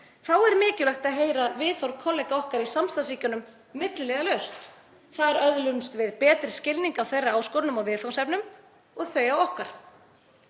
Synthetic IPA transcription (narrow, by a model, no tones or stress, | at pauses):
θawɛɾmɪːcɪlɛxt̪aðɦeːjɾavɪðθawɾkʰɔlɛjkaɔhkaɾisamst̪ansiːcʏnʏmː | ɪt̪llɛɣalœɥst̪ | θaðɛɾœðlʏnst̪vɪðpɛːt̪ɾɪ̥scɪlniŋkawθejrːaaːwskɔwɾnʏmaɣvɪðθfawsɛpnʏm | ɔɣθœɥjawɔhkaɾ̥